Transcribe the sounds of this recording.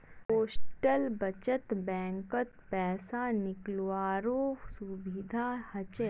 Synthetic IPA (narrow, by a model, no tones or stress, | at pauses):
poːsʈəlbɐt͡ʃət̪bɛ̃ːŋkət̪pɛːsanɪklwaːɾõːsubɪd̪ʱaːhɐt͡ʃɛ